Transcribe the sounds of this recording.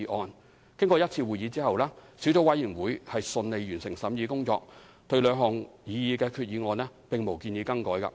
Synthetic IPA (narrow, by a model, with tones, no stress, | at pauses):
ʔɔː˨˧n | kɪ˥ŋkɔː˧jɐ˥t̚t͡sʰiː˧wuː˨jiː˨˧t͡siː˥hɐ˨wlɛː˥si˨˥wt͡so˨˥wɐ˨˥jiː˨˩nwuː˨˥jhɐ˨jsɵ˧nle˨˧jɥyː˨˩nsɪ˨˩ŋsɐ˨˥mjiː˨˧kʊ˥ŋt͡sɔ̰ː˧k̚ | t̪ɵ˧ɥlœː˨˧ŋɦɔː˨˩ŋjiː˨˧jiː˨˧kɛː˧kʰyː˧t̚jiː˨˧ŋɔː˨˧nlɛː˥pɪ˨ŋmo˨˩wkiː˧njiː˨˧˥kɐ˥ŋkɔː˨˥jkɐ̰˧